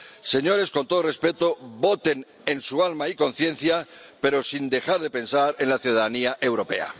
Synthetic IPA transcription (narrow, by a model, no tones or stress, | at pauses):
se̞ɲo̞ɾe̞sko̞nt̪ore̞spe̞t̪oβo̞t̪e̞n | e̞nsualmaiko̞n̟θje̞n̟θjape̞ɾo̞sind̪e̞xaɾðe̞pe̞nsaɾe̞nlaθjuðaðaniaʔe̞wɾo̞pe̞̰a̰